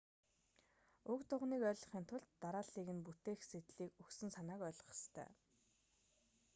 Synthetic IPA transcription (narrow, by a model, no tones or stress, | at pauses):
ɵkt̪ʰʊʁniːkœːɮɞ̥̆χiːnt̪ʰʊɮt̪ːaɾaːɮiːɣɘ̆nput̪eːxset̪ɮiːkɵksɘ̆nsanaːkœːɮ̆χə̥̆st̪ʰœ̰ː